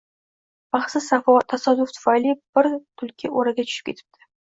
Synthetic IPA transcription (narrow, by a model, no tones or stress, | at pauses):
b̥ɑχsɪzat̪ʰasad̪ʊft̪ʰʊ̥falib̥ɪɾt̪ʰʊlkʲʰɪʔoɾaɡʲat͡ʃʰʊ̥ʃɪ̥pkʲʰe̞t̪ʰɪ̥p̚t̪ʰɪ̥